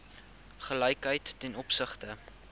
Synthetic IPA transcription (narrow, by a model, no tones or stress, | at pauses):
χəlɛjkɦəjtːɛnɔpsəχtə